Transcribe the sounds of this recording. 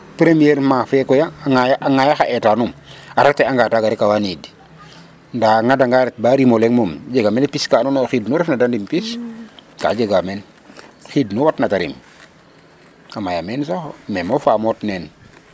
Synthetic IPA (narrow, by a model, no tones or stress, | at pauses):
pɾemijɛɾmafekɔjaŋajaʔːŋajaxaʔetanumaɾateaŋɡaːtaɡaɾikawanidi | ndaŋadaŋɡaɾɛt̚baɾimoleŋmomd͡ʒeɡamenpiskanunoxidnuɾɛfnadandimpiska̰d͡ʒeɡamen | xidnuwatnataɾḭm | amajamensaxomemofaːmotneːn